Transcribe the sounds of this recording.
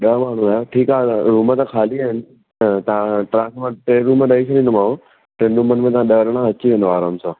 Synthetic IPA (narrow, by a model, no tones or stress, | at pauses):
ɗəɦmaːɳ̤ũaːjoʈʰiːkaːɾuːmət̪ãkʰaːliaːɦɪnɪ̆ | t̪ɐãʈɾãːsmãʈeːɾumẽɗɐit͡ɕʰɐɗĩnd̪omaːũ | ʈɾẽːnɖũmənmẽt̪ɐãɗɐɾəɽ̃ãɐt͡ɕiʋẽnd̪oaːɾaːmsãː